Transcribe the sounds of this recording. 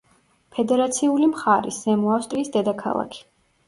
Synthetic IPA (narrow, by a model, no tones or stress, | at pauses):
pʰɛd̪ɛɾat̪sʰiulimχaɾḭsɛmuafst̪ʼɾiːsd̪ɛd̪akʰa̰lˠa̰kʰi̥